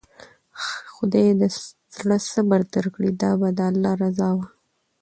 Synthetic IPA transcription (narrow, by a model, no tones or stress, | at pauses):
xʊd̪ɑjed̪ə | z̥ɽəsəbaɾd̪əɾkɽid̪ɑbad̪əalːɑɾazɑwa